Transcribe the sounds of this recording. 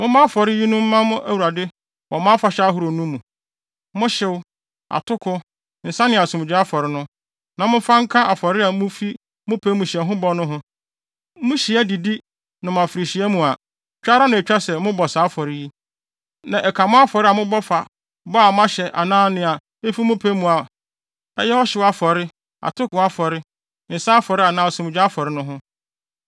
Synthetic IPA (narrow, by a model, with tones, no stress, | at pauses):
mʊ̃˦mã˦fɔ˨ɾɪ˦ji˦nʊ̃˦m̩˦mã˦mʊ̃˦ʔæ˨wu˨ɾa˨dɪ˦ | wɔ˨mã˦fa˨ɕᶣɛ˦a˦ɦu˨ɾo˨nũ˦mũ˨ | mʊ̃˦ɕɪ˦w | a̰˨tʰʊ˦kʰʊ˦ | n̩˨sã˦nɪ̃˨a˨sũ˨m˨d͡ʑᶣɪ˦a˦fɔ˨ɾɪ˦nʊ̃˦ | nã˨mʊ̃˦fã˦ŋ̩˦kʰã˦ʔa˨fɔ˨ɾɪ˦a˨mʊ̃˦fi˦ | mʊ̃˦pʰe˦mũ˨ɕi˨ɛ˨ɦʊ̃˦bɔ˦nʊ̃˦ɦʊ̃˦ | mʊ̃˦ɕi˨ɛ˦di˨di˦ | nã˨m̃˨a˨fi˨ɾi˨ɕi˨ɛ˦mũ˨a˨ | t͡ɕᶣa˦ɾa˦nã˨ɛ˨t͡ɕᶣa˦sɛ˨˦mʊ̃˦bɔ˨saː˨˦fɔ˨ɾɪ˦ji˦ | nã˨ʔɛ˨kʰa˨mʊ̃˦a˦fɔ˨ɾɪ˦a˨mʊ̃˦bɔ˦fa˨ | bɔ˦a˨m˦ã˦ɕɛ˨ʔa˨nãː˦nɪ̃˦a˨ | e˦fi˦mʊ̃˦pʰe˦mũ˨a˨ | ɛ̰˦jɛ˦ɔ˦ɕɪ˨˦wa˦fɔ˨ɾɪ˦ | a̰˨tʰʊ˦kʊ˨a˦fɔ˨ɾɪ˦ | n̩˨sa˦a˦fɔ˨ɾɪ˦a˨nãː˨˦ɔ˨sɛ˨mʊ̃˨d͡ʑᶣa˦a˦fɔ˨ɾɪ˦nʊ̃˦ɦʊ̃˦